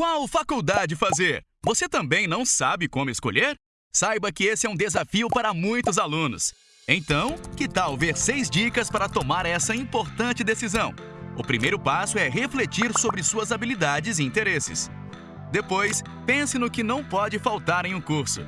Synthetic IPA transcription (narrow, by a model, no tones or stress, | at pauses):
kwawfakuwd̪ad͡ʒɪfazeɾ | voset̪ɐ̃mbẽj̃nɐ̃w̃sabɪkõmʊesko̰ʎeɾ | sajbɐkɪesɪɛũd̪ezafiʊpaɾɐmũj̃t̪ʊzalũnʊ̰s | ẽt̪ɐ̃w̃kɪt̪awveɾsejzd͡ʒikɐspaɾɐt̪omaɾɛsɐĩpoɾt̪ɐ̃nt͡ʃɪd̪esizɐ̃w̃ | ʊpɾimejɾʊpasʊɛɦeflet͡ʃiɾsobɾɪsuɐzabilid̪ad͡ʒɪzɪĩnt̪eɾesɪ̰s | d̪epojs | pẽsɪ̃nʊkɪnɐ̃w̃pɔd͡ʒɪfawt̪aɾẽj̃ũkuɾsʊ̰